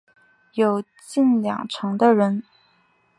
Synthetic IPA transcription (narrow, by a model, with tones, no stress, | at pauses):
jo˨˩ʊ | t͡ɕi˥˩nljɑ̰˨˩ŋʈ͡ʂʰɤ˧˥ŋd̪ə˦˧ɻə˧˥n